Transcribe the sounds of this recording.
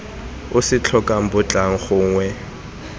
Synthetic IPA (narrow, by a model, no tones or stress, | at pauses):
ʊsɪt͡ɬʰɔkʼam̩bʊt͡ɬʼaŋ̩χʊːŋwɛ